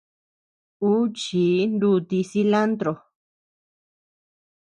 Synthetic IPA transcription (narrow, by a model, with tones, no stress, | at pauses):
u˦t͡ʃiː˨˦nd̪u˧t̪i˧si˧la˦nt̪ɾo˨